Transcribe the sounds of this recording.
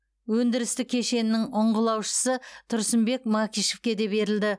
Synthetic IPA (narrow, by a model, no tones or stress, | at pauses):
wɵnd̪ɪɾɪst̪ɪkʲʰe̞ʃe̞nɪnːɪŋʊɴʁəlˠɑwʃə̥sət̪ʰʊɾsɪmbe̞kmɑkʲijʃe̞fkʲe̞d̪e̞be̞ɾɪld̪ɪ